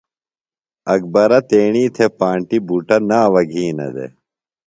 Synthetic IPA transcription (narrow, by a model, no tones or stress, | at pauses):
ɐk̚bɐɾɐt̪eːɳiːt̪ʰepãːɳʈibuʈɐnaːʋɐɡʱĩːnɐ̰d̪ḛ